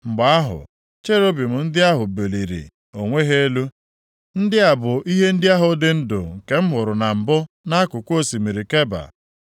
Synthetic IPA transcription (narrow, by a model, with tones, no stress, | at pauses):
ŋ͡m̩˨ɡ͡ba˨a˦ɦʊ̰˨ | t͡ʃe˦ɾo˦bi˨m̩˨n̩˦dɪ˦a˦ɦʊ˨be˨li˨ɾḭ˨ | o˨ŋʷe˦ɦe˦e˦lu˦ | n̩˦dɪ˦a˨bʊ˨ʔi˦ɦe˦n̩˦dɪ˦a˦ɦʊ˨˦dɪ˦n̩˦dʊ̰˨ŋ̩˨ke˨m̩˦ɦʊ˨ɾʊ˨na˨m̩˨bʊ˦ | na˦kʊ˨kʷo˦si˨mi˨ɾi˨ke˦ba̰˨